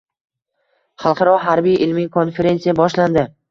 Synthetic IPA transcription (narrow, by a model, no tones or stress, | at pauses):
χɑlˠqʰɑɾɒɦaɾbijʔɪlmikʰo̞nfe̞ɾe̞nsijabɒʃland̪ɪ